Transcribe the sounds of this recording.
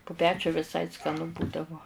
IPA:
pʊ ˈpʲæːt͡ʃʲʊ ʋʲɪˈsɐɪ skɐˈnʊ ˈbuːdɐʋoː

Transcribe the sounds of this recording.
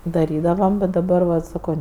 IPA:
dɐˈrʲiːdɐʋɐm bʲɛt dɐˈbɐr ʋɐt sɐˈkoː

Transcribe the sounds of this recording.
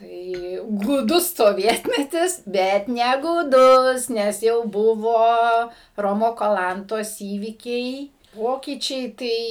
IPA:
ˈtɐɪ ɡuːˈdʊs soːˈʋʲiɛtʲmʲɛtʲɪs ˈbʲɛt nʲɛɡuːˈdʊs nʲɛs ˈjɛʊ ˈbʊʋoː ˈroːmoː kɐˈlˠɐntoːs ˈiːʋʲiːkʲɛɪ ˈpoːkʲiːt͡ʃʲɛɪ ˈtɐɪ

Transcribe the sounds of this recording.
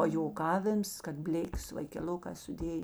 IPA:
pɐjoːˈkɑːʋʲɪms kɐt ˈbʲlʲeːkʲeːs ʋɐɪkʲɛˈlˠʊkɑː sʊˈdʲeːj

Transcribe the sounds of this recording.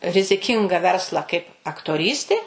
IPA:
rʲɪzʲɪˈkʲɪŋɡɐ ˈʋʲɛrslˠɑː kɐɪp ɐktoːˈrʲiːsʲtʲeː

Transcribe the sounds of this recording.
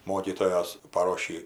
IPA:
ˈmoːkʲiːtoːjoːs pɐˈroːʃʲiː

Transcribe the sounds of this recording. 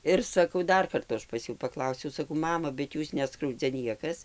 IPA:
ˈɪr sɐˈkɐʊ ˈdɐr ˈkɐrtʊ ˈɐʃ pɐs ˈjuː pɐˈklˠɐʊsʲɛʊ sɐˈkɐʊ ˈmɑːmɐ bʲɛt ˈjuːs ˈnʲæːskrɐʊd͡zʲɛ ˈnʲiɛkɐs

